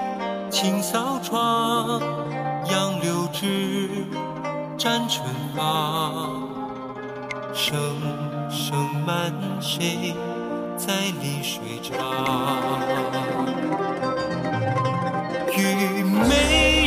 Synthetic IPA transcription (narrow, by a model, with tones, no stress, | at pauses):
t͡ɕʰi˧˩ŋsɑ˧˥ʊʈ͡ʂʰwɑ˥ | jɑ˧ŋljo˧˥ʊʈ͡ʂɻɻ̩˥ | ʈ͡ʂa˥nʈ͡ʂʰə˧˥nfa˧ | ʂɤ˧ŋʂɤ˧ŋma˧n˦ʂe˥ | t͡sa˥ɪli˧˥ʂwe˨˩ɪʈ͡ʂɑ˧˥˧ | t͡ɕy˧˩me˧